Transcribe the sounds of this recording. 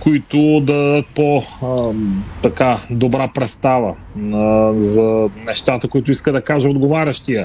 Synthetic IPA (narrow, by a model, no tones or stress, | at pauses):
koit̪ʊd̪ad̪ət̪̚po | t̪ɐkad̪obɾapɾɛst̪avə | nɐzɐnɛʃt̪at̪əkoit̪ʊiskəd̪ɐkaʒəod̪ɡovaɾʲɐʃt̪iə